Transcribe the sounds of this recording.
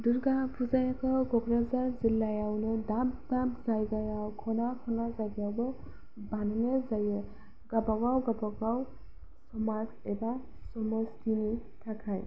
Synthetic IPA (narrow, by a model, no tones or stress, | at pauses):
duɾɡapʰuzajakʰawɡɔɡɾazaɹzilːajawnɯdab̚dabzajɡajawkʰɔnakʰɔnazajɡajawbɔ | banɔnezajɛ | ɡ̥abaɡawɡabaɡaw | sɔmazɛba | sɔmɔskini | tʰakʰaj